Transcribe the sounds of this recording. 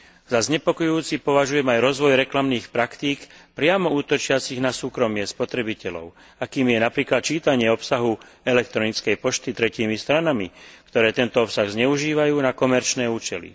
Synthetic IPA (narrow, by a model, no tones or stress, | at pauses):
zazɲɛpɔkɔjuːt͡sipɔʋaʒujɛmajɾɔzʋɔjɾɛklamniːxpɾakt̪iːkpɾɪamɔuːt̪ɔt͡ʃɪat͡siɣnasuːkɾɔmɪɛspɔt̪ɾɛbicɛlɔ̰ʊ | akiːmjɛnapɾiːklat̪̚t͡ʃiːt̪aɲɪɛɔpsaɦu | ɛlɛk̚t̪ɾɔnit͡skɛjpɔʃt̪it̪ɾɛciːmist̪ɾanamikt̪ɔɾɛːt̪ɛnt̪ɔɔpsaɣzɲɛuʒiːʋajuːnakɔmɛɾt͡ʃnɛːuːt͡ʃɛlḭ